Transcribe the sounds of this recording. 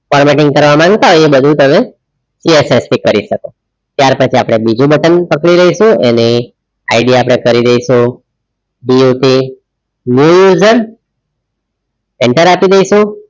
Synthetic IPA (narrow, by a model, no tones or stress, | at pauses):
fɔɾmeʈɪ̃ŋɡ̚kəɾʋamãŋɡt̪aɦɔjebəd̪ʱũt̪əme | siesest̪ʰikəɾiʃəko | t̪jaɾpət͡ʃʰiapɽ̃ebid͡ʒũbəʈənpəkɽiləiʃũḛni | aiɖiapɽ̃ekəɾid̪ejʃũ | biuʈi | njujuzəɾ | ɛɳʈəɾapid̪ejʃũ